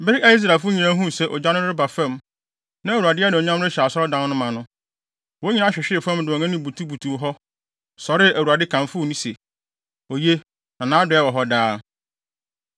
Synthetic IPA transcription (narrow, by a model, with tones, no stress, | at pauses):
bɪ˦ɾɪ˦æ˦i˦s̬ɾa˨fʊ˦ɲĩ˨nã˦ɦũ˦˨sɛ˦˨ʔɔ̰˨d͡ʑa˦nʊ̃˦ɾɪ˦ba˨fɛ̃˦˨m | nã˦æ˨u˨a˨dɪ˦ɛ˦nɪ̃˨ɔ˨ɲã˦mɾɪ˦ɕɛ˨a˨sɔ˦ɾɔ˦dã˨˦n˦nʊ̃˦mã˨nʊ̃˦ | wo˦ɲi˦nã˦ɕᶣɪ˨ɕᶣɪ˦ɪ˨fã˦mdʊ˨ɔ˨ɛ̃˦nĩ˦bu˨tʰu˦bu˨tʰũ˨ɦɔ˦ | sɔ˨ɾɪ˦æ˨wu˨a˨dɪ˦kʰã˨nfʊ˦˨nĩ˦se˨ | o˨je˦ | nã˨nãː˦dʊ˨˦ɛ˦˨wɔ˨ɦɔ˦daː˦